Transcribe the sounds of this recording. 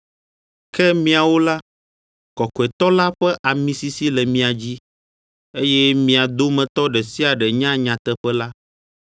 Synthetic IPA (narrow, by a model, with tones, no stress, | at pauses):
kɛ˦mĩ˦a˨wo˦la˦ | kɔ˨kɔ˨ɛ˨t̪ɔ˦la˦ɸɛ˦ʔa˨mĩ˨˦si˦si˦lɛ˨mĩ˨˦a˨d͡ʑi˦ | e˦jɛ˦mĩ˨a˨d̪o˦mɛ̃˨t̪ɔ˦ɖɛ˨si˦a˨ɖɛ˨ɲã˦ɲã˨t̪ɛ˦ɸɛ˦la˦